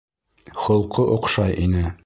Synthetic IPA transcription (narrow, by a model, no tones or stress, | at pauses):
χŏlˠqɤʔŏqʃɑjʔinɘ